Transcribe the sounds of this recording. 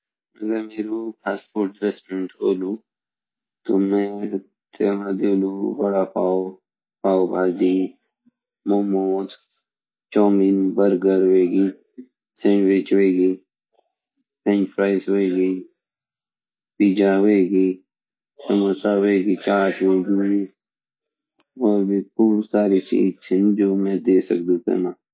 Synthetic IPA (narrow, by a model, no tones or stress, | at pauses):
ɐɡəɾmeːɾupʰaːspoːɾʈɾesʈɾeɳʈoːluː | t̪omẽː | t̪eːmãd̪ioluːbɐɽaːpaːo | paːobʱaːd͡ʒiː | momoːt̪ | t͡ʃoːminbəɾɡəɾʋeːɡiː | sẽʋɪt͡ʃʋeːɡiː | pʰẽnt͡ʃpʰɾaːɪsoeːɡi | piːd͡ʒaːʋeːɡiː | səməsaːʋeːɡiːt͡ʃaːʈʋeːɡii | ʋoːbikuːsaːɾiːt͡ʃḭːd͡ʒt͡ʃʰɪnd͡ʒoːmɛ̃ːd̪eːsə̰kd̪ũːkḛmaː